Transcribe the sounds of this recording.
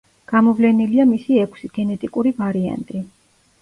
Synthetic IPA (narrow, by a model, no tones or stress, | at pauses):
ɡ̥amɔvlɛniliamisiɛkʷʰsiɡ̥ɛnɛt̪ʼikʼuɾivaɾia̰nt̪ʼi